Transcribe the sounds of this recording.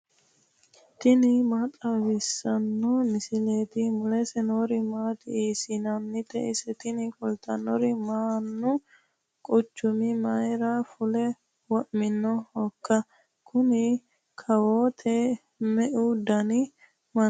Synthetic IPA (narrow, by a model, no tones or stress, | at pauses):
t̪ɪnɪmat̪ʼawɪsːɐnːɔmɪsɪleːt̪ɪmʊlɛsɛnoːɾɪmaːt̪ɪiːsɪnɐnːɪt̪ɛ̰ʔɪsɛt̪ɪnɪfʊlt̪ʰɐnɔɾɪmaːnːʊ | kʼʊt͡ʃːʊmɪmɐjɾafʊlɛ | wɔʔmɪnːɔhɔkːɐ | kʰʊnɪ | kʰɐwoːt̪ʰɛ | mɛʔud̪ɐnɪ | mɐn